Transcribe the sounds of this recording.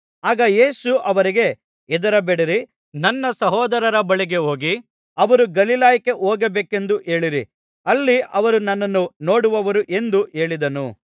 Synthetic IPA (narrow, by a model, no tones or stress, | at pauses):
aːɡɐje̞ːsuʔɐʋɐɾiɡe̞ | ɛd̪ɐɾɐbeɽɐɾi | nɐnːɐsɐɦɔːd̪ɐɾɐɾɐbɐɭiɡe̞ɦo̞ːɡi | ɐʋɐɾuɡɐlilaːjɐke̞ʔoːɡɐbeːke̞nd̪uʔe̞ːɭiɾḭ | ɐlːiʔɐʋɐɾunɐnːɐnːuno̞ːɽuʋɐʋɐɾuʔe̞nd̪uʔe̞ːɭid̪ɐnṵ